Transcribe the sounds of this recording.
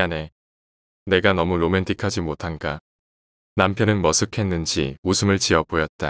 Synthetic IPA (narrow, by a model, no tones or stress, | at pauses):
ane̞ | ne̞ɡanʌmuɾome̞ntʰikʰad͡ʑimotʰanɡa | nampʰjʌnɯnmʌsʰɯkʰe̞nːɯnd͡ʑiusʰɯmɯɭt͡ɕiʌbojʌt̚t͈a